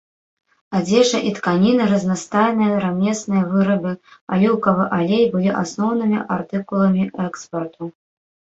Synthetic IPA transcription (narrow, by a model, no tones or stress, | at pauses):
ad͡zʲɛʂɐʔit̪kanʲinɨɾɐznast̪ajnɨjɐɾamʲɛsnɨjɐvɨɾɐbɨa̰lʲuwkɐvɨʔalʲejbɨlʲiʔasnɔwnɨmʲiʔart̪ɨkulˠɐmʲiʔɛkspɐrt̪u